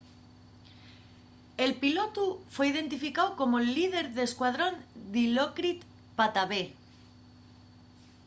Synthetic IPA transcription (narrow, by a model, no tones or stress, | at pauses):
e̞lpilot̪ufwe̞ið̞e̞nt̪ifikawko̞molið̞e̞ɾðe̞skwað̞ɾo̞nd̪ilokɾit̪ | pat̪aβe